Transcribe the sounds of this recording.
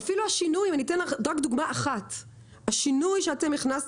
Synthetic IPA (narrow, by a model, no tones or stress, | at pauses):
filuhaʃinujimanitenladʁakd̪uɡmaʔaχat | haʃinujʃeatemiχnas